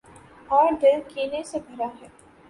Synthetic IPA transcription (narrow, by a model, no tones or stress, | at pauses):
ɔːɾɖəɾkiːnesebʱɐɾaɦɛː